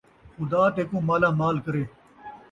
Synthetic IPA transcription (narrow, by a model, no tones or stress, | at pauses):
xʊd̪aːt̪eːkũːmaːlaːmaːlkəɾeː